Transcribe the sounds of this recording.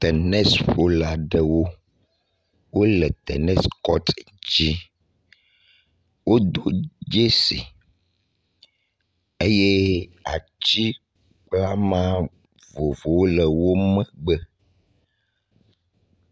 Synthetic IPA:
t̪ɛ˨nɛ̃˦sɸo˨la˨ɖə˦wo˦ | wo˦lɛ˨t̪ɛ̰˨nɛ˦skɔ˦t̪ | d͡ʑi˦ | wo˦d̪o˦d͡ʒe˦sḭ˨ | e˦je˦a̰˨ | t͡ɕi˦ | k͡pla˦mã˦ | vo˨vo˨wo˦lə˨wo˦mɛ̃˦ɡ͡bə˦

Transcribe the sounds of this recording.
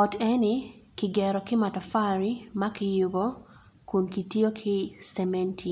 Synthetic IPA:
ɔ˨tɛ˦nɪ | kɪɡɛɾɔkɪ˦ma˨tɔ˨fa˦ɾima˦kɪjʊbɔ | ku˨nki˨ti˦o˦kʰɪ˦sɛme˦ntʰi

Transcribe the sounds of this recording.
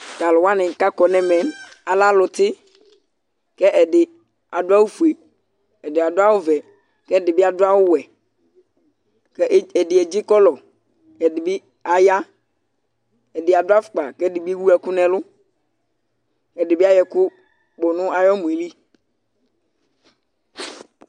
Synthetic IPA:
ta˨lʊ˨wa˦nɪ̃˨ka˦kɔ˨nɛ˨mɛ˨ | a˨la˦lʊ˨tɪ˦ | kɛ˦ʔɛ˨dɪ˨ | a˨dʊ˦a˦wu˦fu˨e˨ | ɛ˨dɪ˨a˨dʊ˦a˦wʊ˦vɛ˨ | kɛ˦˨dɪ˨bɪ˦a˨dʊ˦a˦wʊ˦wɛ˨ | kɛ˦˨ɛ˨dɪ˨ɛ˨d͡ʒɪ˦kɔ˦lɔ˨ | ɛ˨dɪ˨bɪ˦ | a˨ja˦ | ɛ˨dɪ˨a˨dʊ˦a˦fʊ̥˨k͡pa˨kɛ˦dɪ˨bwu˦ɛ˨kʊ˦nɛ̃˨lʊ˦ | ɛ˨dɪ˨bɪ˦a˦jɛ˨kʊ˦ | k͡pɔ˨nʊ̃˦a˨jɔ˦mu˨i˨li˦

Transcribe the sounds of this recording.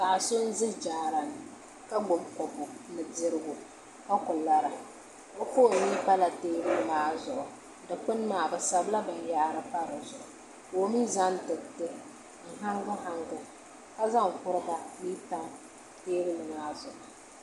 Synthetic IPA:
ka˨sʊ˦n̩˦zɪ˦hd͡ʒaː˨˦ɾa˨nɨ˨ | ka˦ɡ͡bʊ˨mkɔ˨pʊ˨nɨ˨dɪ˦ɾɨ˦ɡʊ˨ | ka˦kʊ˨la˦ɾa˨ | o˦fo˦˨ni˦pa˦la˨teː˦ɾɨ˦nɨ˨maː˦zʊ˨ʔʊ˨ | dɨ˨k͡pɨ˦n˦maː˨bɨ˨sa˨bla˦bɨ˨n˦jaː˦ɾɨ˦pa˦ɾɨ˨zʊ˨ʔʊ˨ | o˦mi˦za˦n˦tɨ˨ktɨ˦ | n̩˨ɦa˦ŋɡʊ˦ɦa˦ŋɡʊ˦ | ka˦za˦ŋ̩˨kʊ˦ɾɨ˦ɡa˨niː˦ta˦ | teː˦ɾɨ˦nɨ˨maː˦zʊ˨ʔʊ˨

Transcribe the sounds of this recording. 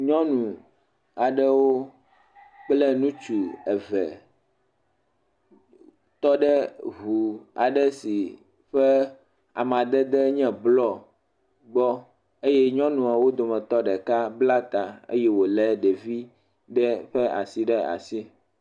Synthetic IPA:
ɲɔ̃˦nũ˨ | a˨ɖɛ˦wo˦ | k͡plɛ˦nũ˦t͡ʃu˨ɛ˨vɛ̰˨ | t̪ɔ˦ɖɛ˦βu˨a̰˨ɖɛ˦si˨ | ɸɛ˦ | a̰˨m˨ã˨d̪ɛ˦d̪ɛ˦ɲɛ̃˦blɔ˦ | ɡ͡bɔ˦ | e˦jɛ˦ɲɔ̃˦nũ˨a˨wo˦d̪o˨mɛ̃˨t̪ɔ˦ɖɛ˨ka˦bla˦t̪a˨ḛ˦jɛ˦wo˨lɛ˦ɖɛ˨vi˦ | ɖɛ˦ɸɛ˦a̰˨si˦ɖɛ˦a̰˨si˦

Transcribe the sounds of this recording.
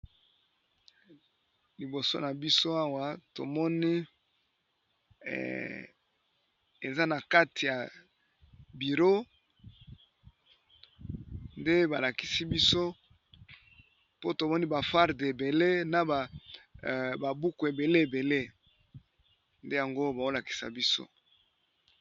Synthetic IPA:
li˨bo˨so̰˦na˨bi˦so˦a˦wa˦to̰˨mɔ˦ni˦ | e˨za˦na˨ka˦tʰi˨ja˨ | bi˨ʁo˦ | nde˦ba˨la˨ki˦si˦bi˦so˦ | po˦to˨mɔ˦ni˦ba˨fa˦ʁde˨be˨le˦na˨a˨ | ba˨bu˦ku˨e˨be˨le˦e˨be˨le˦ | nde˦ja˨ŋɡo˦ba˨o˦la˨ki̥˨sa̰˨bi˦so̰˦

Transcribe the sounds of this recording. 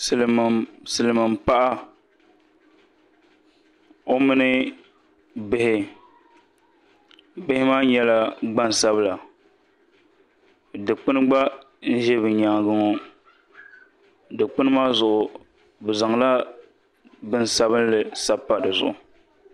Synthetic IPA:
sɨ˨lm˨sɨ˨lɨ˨mɨ˨mpa˦ʔa˦ | o˦mɨ˦nɨ˦ | bɪ˦hɪ˦ | bɪ˦hɪ˦maː˦ɲɛ˦la˦ɡ͡ba˦n˨sa˦bla˨ | dɨ˨k͡pɨ˦nɨ˦ɡ͡ba˦ | n̩˦ʒɛ˦bɨ˨ɲa˨ŋɡɨ˦ŋo˦ | dɨ˨k͡pɨ˦nɨ˦maː˦zʊ˨ʔʊ˨ | bɨ˨za˨ŋla˦ | bɨ˦n˨sa˦βɨ˦n˦lɨ˨sa˦pːa˨dɨ˨zʊ̰˨ʔʊ˨

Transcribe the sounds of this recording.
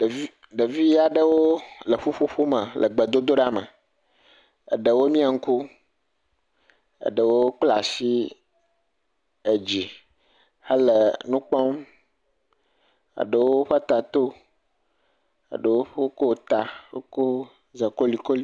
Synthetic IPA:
i˦ | ɖə˨vi˦a˨ɖə˦wo˦lə˨ɸu˦ɸu˦ɸu˦mə˨lʔə̰˨ɡ͡bə˨d̪o˦d̪o˦ɖa˦mə̰˨ | ə̰˨ɖə˨wo˦mĩ˦a˨ŋ̩˦ku˦ | ə̰˨ɖə˨wo˦k͡pla˨si˦ | ə˨d͡ʑi˨ | hə˦lə˨nũ˦k͡pɔ˦m | a̰˨ɖə˨wo˦ɸə˦t̪a˨t̪o˦ | ə̰˨ɖə˨wo˦ɸo˦ko˦˨t̪a˨ɸo˦ko˦ | zə˨ko˦li˨ko˦li˦

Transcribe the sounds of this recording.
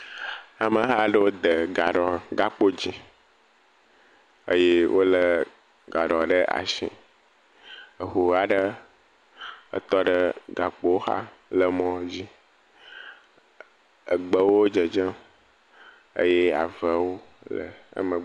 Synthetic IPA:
a˨mə˨ɦa˦ɖə˦wo˦d̪ə˨ɡa˨ɖɔ˨ɡa˦k͡po˦d͡ʑi˦ | ə̰˦je˦wʔo˦lə˦ | ɡa˨ɖɔ˨ɖə˦ʔa̰˨ʃḭ̃˨ | ə˨xu˨a˨ɖə˦ | ə̰˦t̪ɔ˦ɖə˦ɡa˨k͡po˦wo˦xa̰˦ | lə˨mɔ̃˦d͡ʑi˦ | ə˨ɡ͡bə˦wwo˦d͡ʒə˨d͡ʒə˦ | ə̰˦je˦a̰˨və˦wo˦lə̰˨ə̰˦mə̃˨

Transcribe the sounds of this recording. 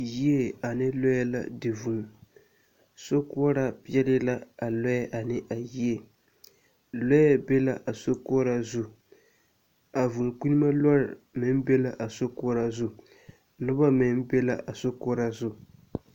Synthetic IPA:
ji˦e˦a˨nɪ˦lɔ˦ja˦la̰˨dɪ˨vu˨ | so˦kɔ˦ɾa˦pi˦ɛ˦lɪ˦la˦a˨lɔ˦jɛ˦ʔa˨nɪ˦ʔa˨ji˦e˦˨ | lɔ˦jɛ˦be˦la˦ʔa˨so˦kɔ˦ɾa˦zʊ˦ | a˨vu˨ŋ˨k͡pi˦ni˦ma˦lɔ˦ɾɪ˨mɪ˨˦n˦be˦la˦˨ʔa˨so˦kɔ˦ɾa˦zʊ˦ | nʊ˦ba˦mɪ˨n˦be˦la̰˦ʔa˨so˦kɔ˦ɾa˦zʊ˦

